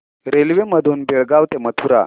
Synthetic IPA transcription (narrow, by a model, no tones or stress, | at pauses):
ɾelʋeməd̪ʱuːnbiɭɡaʋt̪emət̪ʰuɾa̰